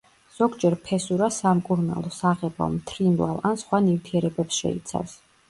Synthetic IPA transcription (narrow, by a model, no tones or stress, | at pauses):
z̥ɔɡd͡ʒɛɾpʰɛsuɾasamkʼuɾna̰lˠɔsaʁɛbɔ̰mt̪ʰɾimlˠa̰lˠansχwanift̪ʰiɛɾɛbɛpsʃɛ̰ḭt̪sʰa̰fs